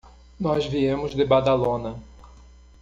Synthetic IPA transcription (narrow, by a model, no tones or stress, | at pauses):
nɔzviẽmʊzd̪ɪbad̪alõnɐ